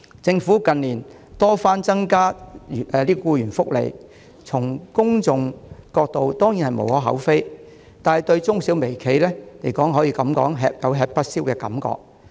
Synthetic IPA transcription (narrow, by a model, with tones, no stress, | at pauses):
t͡sɪ˧ŋfuː˨˥kɐ˨nliː˨˩n | t̪ɔː˥faː˥nt͡sɐ˥ŋkaː˥˨ | liː˥kɔ˧kuː˧jyː˨˩nfʊ˥k̚lḛ˨˩j | t͡sʰʊ˨˩ŋkʊ˥ŋt͡sʊ˨ŋkɔː˧k̚t̪o˨wt̪ɔː˥ŋji˨˥nhɐ˨jmo̰˨whɔː˨˥ɦɐ̰˨˥wfe˥j | t̪aː˨nhɐ˨˩jt̪ɵ˧ɥt͡sʊ˥ŋsiː˨˥wme˨˩jkʰe˨˧jlɛː˥le˨˩jkɔː˨˥ŋɦɔː˨˥jiː˧kɐ˨˥mkɔ̰ː˨˥ŋɦɛː˧p̚jɐ˨˥wɦɛː˧k̚pɐ˥t̚siː˥wkɛː˧kɐ̰˨˥mkɔ̰ː˧k̚